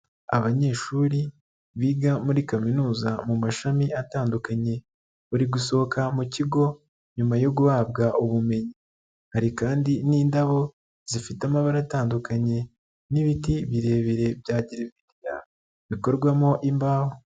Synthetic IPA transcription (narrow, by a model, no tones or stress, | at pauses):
aβaɲe̞ːʃuːɾi | βiːɡamuɾikaminuːzamumaʃamiʔataːndukaɲe̞ | βuɾiɡuso̞okamuciɡo̞ | ɲumajo̞ɡuβabɡaʔuβume̞ɲi | haɾikaːndiniːndaβo̞ | z̥ifitamaβaɾataːndukaɲe̞ | niβitiβiɾe̞ːβiɾe̞bjaːɟiɾevidija̰ | βiko̞ɾɡwamo̞ʔimbaːho